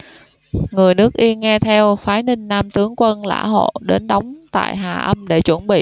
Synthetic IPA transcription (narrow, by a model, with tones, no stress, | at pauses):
ŋɨ˨˩əjnɨ˦˥ək̚ʔi˧ənŋɛ˧t̪ʰɛ˧wfaː˨˦jnï˧ŋ̟naː˧mt̪ɨ˨˦əŋkwə˧nla̰ː˧˥ɦo̰˧˨ɗe˨˦nɗɔ˨˦wŋ͡mt̪a̰ː˧˨jɦaː˨˩ʔə˧mɗe˧˩t͡ɕwə˧˩nɓḭ˧˨ʔ